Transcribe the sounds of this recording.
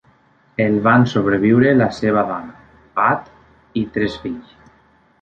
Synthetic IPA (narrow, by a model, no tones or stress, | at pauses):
elβansoβ̞ɾeβ̞iwɾelaseβ̞aðɔna | pat̪ | it̪ɾesfiʎ